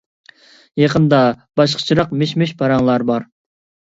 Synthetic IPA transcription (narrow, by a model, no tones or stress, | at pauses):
jɑqʰənd̪ɑb̥ɑʃqʰə̥t͡ʃʰiɾɑqmeʃmɪʃpʰɑɾɑŋlˠɑɾbɑɾ